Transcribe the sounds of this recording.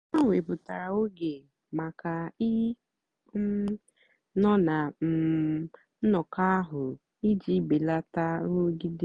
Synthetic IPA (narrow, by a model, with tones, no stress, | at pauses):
a˦ŋʷe˨pʊ˨ta˨ɾa˨o˦ɡe˨ | ma˨ka˨i˦ | nɔ˦na˨m̩˨ | n̩˦nɔ˨ka˦ɦʊ˨ | i˦d͡ʒi˨˦be˨la˦ta˦ɾo˦ɡi˦de˦